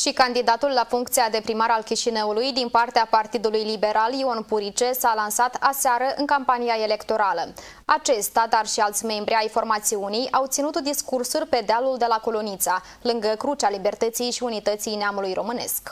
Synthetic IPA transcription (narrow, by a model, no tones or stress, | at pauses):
ʃikand̪id̪at̪ulːafuŋkt̪siad̪e̞pɾimaɾalkʲiʃinəulujd̪inpart̪eapart̪id̪ulujlibe̞ɾʔalio̞npuɾit͡ʃe̞salansat̪aseaɾəʔɨ̰ŋkampanijaele̞kt̪o̞ɾalə | at͡ʃe̞st̪ad̪arʃialt̪sʲme̞mbɾiajfo̞rmat̪siunijʔawt̪sinut̪d̪iskursurʲpe̞d̪ealuld̪e̞lako̞lo̞nit̪sa | lɨŋɡəkɾut͡ʃalibe̞rt̪ət̪sijʃiunit̪ət̪sijneamulujrʔo̞mɨne̞̰sk